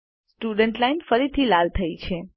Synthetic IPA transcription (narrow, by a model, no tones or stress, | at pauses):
sʈuɖəɳʈlainfəɾit̪ʰilalt̪ʰəit͡ʃʰe